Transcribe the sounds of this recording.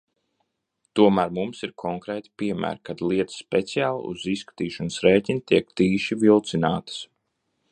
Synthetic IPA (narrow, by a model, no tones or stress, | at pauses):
t̪uɔmæːɾmumsiɾkʰɔŋkɾɛːt̪i̥piɛmæ̰ːɾkad̪lˠiɛt̪ə̥spɛt̪sijaːl̰ˠṵziskḁt̪iːʃɔnəsɾɛːcʲinit̪iɛkt̪iːʃivilˠt̪sinaːt̪ə̥s